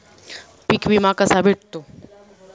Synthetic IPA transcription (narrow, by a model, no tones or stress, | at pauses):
pikʋimakəsabʱeʈ̚t̪o